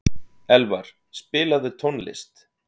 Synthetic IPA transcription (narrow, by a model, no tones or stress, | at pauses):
ɛlvaɾ̥ | spɪːlaðʏt̪ʰonlɪ̰st̪